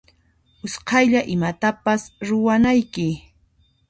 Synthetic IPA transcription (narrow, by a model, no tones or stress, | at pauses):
ʊsqɑjʎaʔɪmat̪apasɾʊwanajkɪ